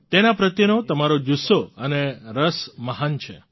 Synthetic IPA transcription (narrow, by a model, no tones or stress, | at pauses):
t̪enapɾət̪jənot̪əmaɾod͡ʒusoəneɾəsməɦant͡ʃʰḛ